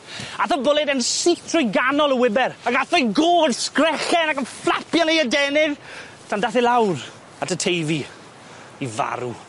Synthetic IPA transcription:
aθɔbɔlˠɛdɛnsitʰrɔjɡanɔlˠəwɪbɛɾaɡaθɔjɡoːdskrɛχɛnakənflˠapʰjɔnejədɛnɪð | tʰandaθilˠawr | atətʰejvi | iva̰ɾṵ

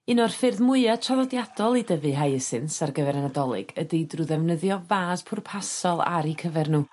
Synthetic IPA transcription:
ɪnɔrfɪrðmʊɨatʰavɔdjadɔlˠidəvɨɦajəsɨnsarɡəvɛɾanadɔlˠɨ̰ɡ̥ədidruðɛvnəðjɔvaːspʰʊrpʰasɔlˠa̰ɾikʰəvɛrnuː

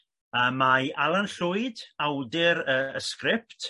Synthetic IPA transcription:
əːmaʔalˠanɬʊɨdawdɪɾəəskrɪp̚t

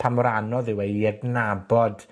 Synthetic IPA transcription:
pʰamɔɾanɔðɪweiɛɡnabɔd̥

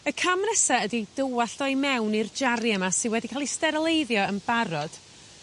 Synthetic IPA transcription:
əkʰamnɛsaədidəwaɬdɔjmɛwnird͡ʒaɾjɛmasɪnwɛdikʰalˠistɛɾlˠejðjɔənbaɾɔd̥

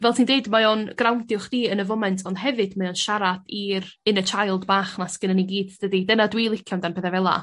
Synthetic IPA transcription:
vɛlˠtʰindeɨdmajɔnɡ̥rawndjʊχd̥iːənəvɔmɛntʰɔnd̥ɦɛvɨdmajɔnʃaɾadirɨnət͡ʃʰajlˠdbaːχnasɡənəniɡiːdd̥ədidənadwiːlˠɪkʰjandanbʰeðɛvɛlˠa̰

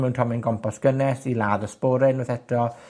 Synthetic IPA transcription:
mɛwntʰɔmɪnɡɔmpʰɔsɡ̥ənɛsilaːðəspoːɾɪnəθɛtʰɔ

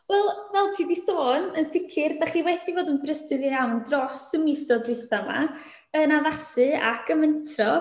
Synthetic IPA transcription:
wɛlˠvɛlˠtʰiːdisoːnənsɪkʰɪrdaχiːwɛdivoːdənbrəsɨðijawndrɔsəmɪsɔdɪθama̰ | ənaðasɨa̰kʰəməntʰrɔ

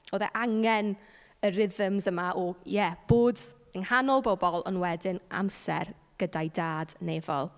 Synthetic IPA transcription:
oːðɛ̰ʔaŋɛn | əɾɪðəmzəmaʔɔjɛb̥oːd | əŋhanɔlˠbɔbɔlˠə̰nwɛdɪnʔa̰msɛ̰r | ɡ̥ədajdaːdneːvɔ̰lˠ

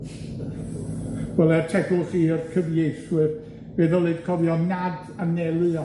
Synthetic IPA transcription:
wɛlˠɛrtʰɛɡʊlˠχiːrkʰəvjejθwɨr | b̥eːðɔlˠɨd̥kʰɔvjɔnad | anɛlˠɨɔ

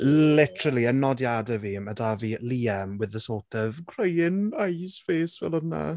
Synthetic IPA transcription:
lɪtəɾəlˠiənːɔdjadəvimədaviliːamwɪðəsɔːtʰɔv̥kʰrejɪnajsfeːsvɛ̰lˠɔdna̰

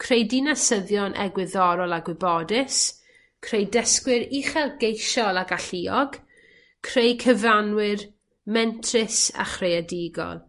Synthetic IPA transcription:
kʰr̥ejdinasəðjɔnʔɛ̰ɡwɪðɔɾɔlˠaɡwɪbɔdɪs | kʰrejdəskwɪɾiχɛlˠɡejʃɔlˠaɡaɬiɔɡ | kʰr̥ejkʰəvanwɪr | mɛntʰrɪsa̰χrejadiɡɔ̰lˠ

